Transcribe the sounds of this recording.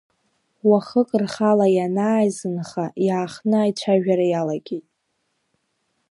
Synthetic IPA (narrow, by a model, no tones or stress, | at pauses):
waχəkʼrχalajanaːjzɨnχajaːχnɨajt͡ʃʷʰaʒᶣaɾajalaɡʲejtʼ